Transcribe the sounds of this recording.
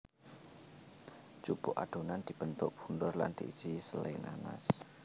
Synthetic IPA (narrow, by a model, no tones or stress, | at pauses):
d͡ʒ̥ub̥ʊʔaɖ̥onand̪̥i̤b̥ənt̪ʊʔb̥undʊrla̰nd̪̥iisisəlainana̰s